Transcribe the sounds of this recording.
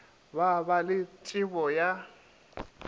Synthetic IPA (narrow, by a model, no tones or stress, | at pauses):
βaβalɪtʼɪβɔja